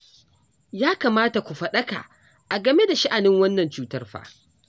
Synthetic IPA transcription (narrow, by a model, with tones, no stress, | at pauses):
jaː˦kaː˨maː˦ta˨kʷu˨ɸɐ˦ɗɐ˦ka̰˨ | ʔa˨ɡɐ˨me˦da˨ʃa˦ʔa˨nɪ˦ŋwɐ˦nːɐ˨nt͡ʃuː˦tɐ˦rɸa̰ː˨